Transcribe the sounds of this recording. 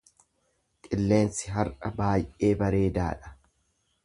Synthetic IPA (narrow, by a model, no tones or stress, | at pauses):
kʼɪlːe̞ːnsɪɦɐɾʔɐbaːjʔe̞ːbɐɾe̞ːd̪a̰ːᶑɐ̥